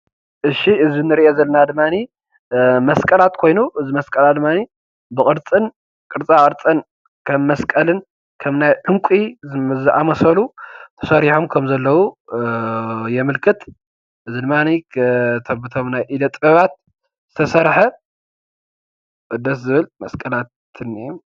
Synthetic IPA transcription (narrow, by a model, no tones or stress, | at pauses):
ʔɨʃiɨzinɨɾiʔozɐlːɐnad̪ɨmːani | mɐskʼɐlat̪kʰo̞jnuʔɨzimɐskʼɐlad̪ɨmːani | bɨkʼɨɾt͡sʼɨn | kʼɨɾt͡sʼakʼɨɾt͡sʼɨn | kʰɐmːɐskʼɐlɨn | kʰɐmnajʕɨŋkʷʼizɨʔamɐsɐlut̪ʰɐ̥sɐɾiħomkʰɐmzɐlːɐwu | jɛmɨlkʰɨt̪ | ʔɨzid̪ɨmːanit̪ʰombɨt̪ʰomnajʔid̪ɐt̪ʼbɐβat̪̚ | zɨ̥t̪ʰɐsɐɾħɐ | ʔɨd̪ːɐszɨβɨlmɐskʼɐlat̪ | ɨnijom